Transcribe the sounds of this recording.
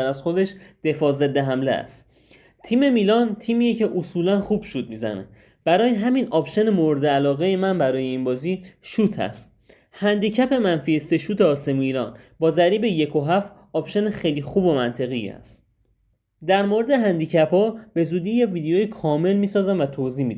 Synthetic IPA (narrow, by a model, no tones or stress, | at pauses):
æɾæzχo̞d̪e̞ʃd̪̥e̞fɒːzed̪ːe̞ɦæmlḛæ̰st̪ | t̪ʰiːme̞miːlɒːnt̪ʰiːmiːjece̞ʔosuːlænχuːb̥ʃuːt̪̚miːzæ̰nḛ | b̥æɾɒːjeɦæminɒpʃe̞nemo̞ɾd̪eælɒːɣe̞jemænbæɾɒːjeiːnbɒːziːʃuːt̪ʰæ̰st̪̚ | hænd̪iːcʰæpe̞mænfiese̞ʃuːt̪ʰeɒːse̞muiːɾɒːnbɒːzæɾiːbe̞je̞kʰo̞ɦæft̪ | ɒpʃe̞nexejliːxuːbo̞mænt̪ʰe̞ɣiæ̰st̪ | d̪æɾmo̞ɾe̞d̪e̞ɦænd̪iːcʰæpʰɒːb̥e̞zuːd̪iːjeviːd̪ejoːjikʰɒːme̞lmiːsɒːzæmvæt̪ʰoziːmid̪